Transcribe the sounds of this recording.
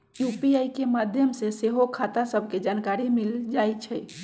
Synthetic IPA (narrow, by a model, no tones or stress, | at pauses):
jupiajkemad̪ʱjəmseseɦokʰat̪asəbʱked͡ʒankaɾimild͡ʒajt͡ʃʰɛ